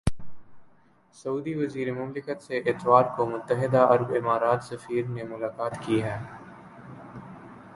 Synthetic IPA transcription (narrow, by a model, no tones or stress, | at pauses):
sɐuːd̪iʋɐziːɾemʊmlɪkət̪seʔɪt̪waːɾkomʊt̪ːəɦɪd̪aɐɾbɪmaːɾaːt̪sɐfiːɾnemʊlaːkaːt̪kiɦɛː